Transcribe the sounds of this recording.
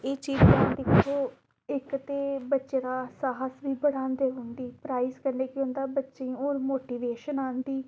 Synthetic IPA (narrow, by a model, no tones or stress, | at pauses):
eːt͡ʃiːzkə̃ːd̪ɪkʰːoː | ɪkt̪eːbətːʃeːɾaːsaːɦəsʋiːbəɽãːnd̪eːɦʊ̃nd̪iːpɾaːizkəɾneːkɪʊ̃ːnd̪aːbətːʃẽːoːɾmoːʈiːʋeːʃənaːnd̪iː